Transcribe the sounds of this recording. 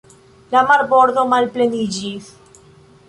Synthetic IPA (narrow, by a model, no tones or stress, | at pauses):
lamaɾboɾðomalplenid͡ʒis